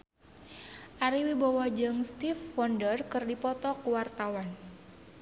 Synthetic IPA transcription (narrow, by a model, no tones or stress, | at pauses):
ʔaɾiwibawɔd͡ʒɨŋst̪ifwɔndərkɨrdipɔt̪ɔkuwart̪awan